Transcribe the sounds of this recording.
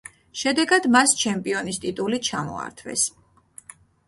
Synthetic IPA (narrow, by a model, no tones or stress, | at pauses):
ʃɛd̪ɛɡad̪mast͡ʃʰɛmpʼiɔnist̪ʼit̪ʼulit͡ʃʰamɔ̰a̰ɾt̪ʰvɛ̰s